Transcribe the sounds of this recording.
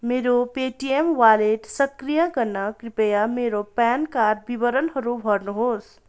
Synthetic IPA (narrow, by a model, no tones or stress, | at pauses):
meɾopeʈiemwaleʈsʌkɾijaɡʌɾnʌkɾipejameɾopankaɾ̚bibʌɾənɦʌɾubʱʌɾnuɦos